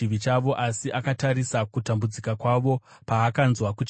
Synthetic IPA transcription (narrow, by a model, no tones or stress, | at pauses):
iʋit͡ʃaʋo̞ʔasiʔakataɾisakutambud͡zikakwaʋo̞paːkanzwakut͡ʃ